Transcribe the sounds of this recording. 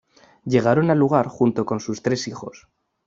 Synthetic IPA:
ʎe̞ɣ̞aɾo̞naluɣ̞aɾxunt̪o̞ko̞nsust̪ɾe̞sixo̞s

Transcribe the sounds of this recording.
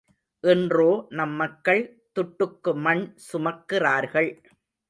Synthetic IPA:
ʔɛndroːnɐmːɐkːɐɭ | t̪ʊʈːɯkːɯmɐɳsʊmɐkːɪraːɾɣɐɭ

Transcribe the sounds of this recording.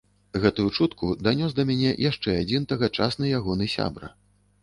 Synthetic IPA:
ɣɛt̪ujut͡ʂut̪kud̪anʲɔs̬d̪ɐmʲanʲɛ̰jʔaʂt͡ʂɛad͡zʲint̪aɣat͡ʂa̰snɨjaɣɔnɨsʲa̰bɾɐ̰

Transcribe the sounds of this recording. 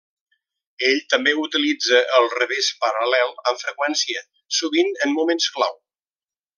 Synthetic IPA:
eʎt̪əmbeut̪ilid͡zəʔːlˠrəβespəɾəlɛlˠəɱfɾəkwɛnsiə | suβinənmumenskla̰w

